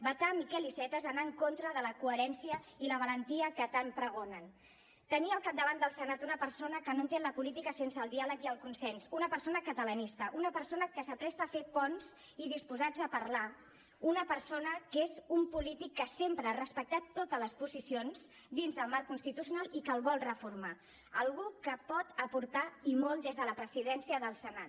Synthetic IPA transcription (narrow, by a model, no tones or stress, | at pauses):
bət̪amikɛlisɛt̪əzənaəŋkont̪ɾəðələkuəɾɛnsiəiləβ̞ələnt̪iəkət̪ampɾəɣ̞onən | t̪əniəlˠkap̚d̪əβand̪əlˠsənat̪unəpərsonəkənont̪enləpulit̪ikəsensəːlˠd̪ialəkiəlˠkunsɛnsunəpəɾsonəkət̪ələnist̪əʔunəpəɾsonəkəsəpɾɛst̪əfepɔnz̥ | iðispuzad͡zəpərla | unəpəɾsonəkezumpulit̪ikːəsempɾəːrəspək̚t̪at̪ːot̪ələspuzisionz | d̪inzðəlˠmaɾkːunst̪it̪usjunalˠikəlˠβɔlˠrəfuɾma | əlˠɣukəpɔt̪əpuɾt̪aimɔlˠd̪ezðələpɾəziðɛnsiəðəlˠsənat̪